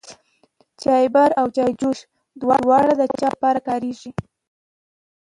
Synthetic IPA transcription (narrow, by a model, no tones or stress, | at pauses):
t͡ʃɑjbaɾawt͡ʃɑjd͡ʒoʃ | d̪wɑdwɑɽad̪ət͡ʃɑpɑɾakɑɾeʒi